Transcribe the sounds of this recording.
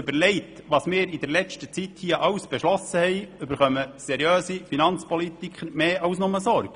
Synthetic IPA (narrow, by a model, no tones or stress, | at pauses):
bəɾlɛɪt̪ʋɑːsmɪːɾid̪ɛɾlɛt͡ʃtət͡sit̪hiːəʔɑwsb̥ɛʃlɔsəhɛɪʏbəɾχœməsɛɾjøːsifinɑnt͡spɔlit̪ikχəɾmeːʔɑwsnʊməsɔɾɡ̥